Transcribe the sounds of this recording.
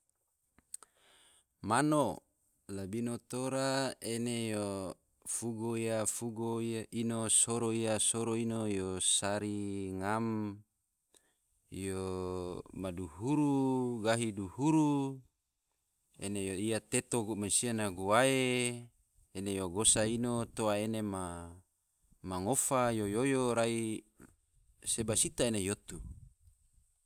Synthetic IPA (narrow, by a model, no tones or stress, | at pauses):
mano | labinot̪oɾaenejo | fuɡoijafuɡoʔinosoɾoiasoɾoinojosaɾiŋam | jo | maduhuɾuɡaɦiduhuɾu | ḛnejoiat̪et̪oɡumasianaɡuae | enejoɡosainot̪oaenema | aŋofajojojoɾai | sebasit̪aenejot̪u